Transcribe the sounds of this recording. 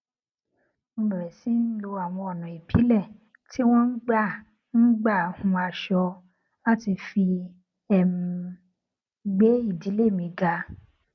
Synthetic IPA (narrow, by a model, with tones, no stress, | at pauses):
ũ˧˦lɔ̃˨ɾɛ˨si˦n̩˦lo˧a˨w̃ɔ̃˧ɔ˨nã˨i˨pʰi˨˦lɛ˦˨ | ti˦w̃ɔ̃˦n̩˦ɡ͡ba˦˨ | n̩˦ɡ͡ba˦˨hũ˨˧a˧ʃɔ˧ | a˦ti˧fi˧ | ɛ˨m̩˨˧ | ɡ͡be˦i˦˨di˨˦le˦˨mĩ˧ɡa˧